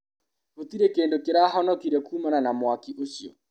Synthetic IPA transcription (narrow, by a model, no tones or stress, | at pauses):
ot̪iɾɛkeːndokeɾaɦɔnɔkiɾɛkuːmananamwakiʔosiɔ̰